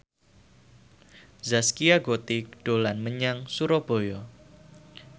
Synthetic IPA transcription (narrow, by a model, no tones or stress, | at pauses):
zaskiaɡot̪iɖ̥olanməɲaŋsuɾɔb̥o̤jɔ